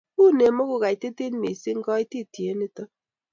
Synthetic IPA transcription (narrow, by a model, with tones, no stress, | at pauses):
ku˦˨ne˨mɔ˦ku˦˨ɣa˨i˨te˦te˦n˦me˨si˦ŋ̩˦kɔ˦i˦ti˦˨tje˨˦ni˦tɔ˦